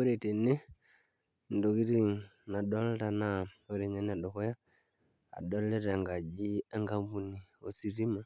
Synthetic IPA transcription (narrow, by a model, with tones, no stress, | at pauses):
o˦ɾɛ˨tɛ˨nɛ˦ | ndɔ˨ɣi˦ɾi˦˨ | na˨ɗɔ˦lɾa˨na˦o˦ɾɛ˨ɲa˦ni˦a˨ɗɔ˨ɣɔ˦ja̰ː˦˨ | ɗɔ˦lɛ˦ɾa˨ŋɡa˨d͡ʒi˦a˦ŋɡa˦mbu˨ni˨ɔ˨si˨ɾi˦ma˨